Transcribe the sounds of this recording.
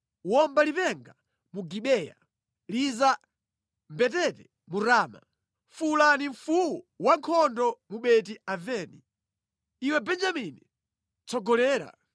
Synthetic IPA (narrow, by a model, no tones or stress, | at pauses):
wɔmbalipɛŋɡa | muɡiɓɛja̰ | liza | mbɛtɛtɛ | muɾaːma̰ | fulaniɱ̩fuwɔ | waŋkʰɔndɔmuɓɛt̬iavɛːni | iwɛbɛnd͡ʒamini | t͡sɔɡɔlɛːɾa̰